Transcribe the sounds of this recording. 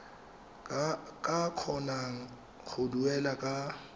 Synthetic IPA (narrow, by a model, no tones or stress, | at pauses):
kʼakʰɔnaŋ̩ | χʊduɛlakʼa